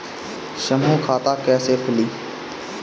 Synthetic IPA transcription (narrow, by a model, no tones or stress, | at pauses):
ʃəmũːkʰaːt̪aːkɛːseːpʰʊliː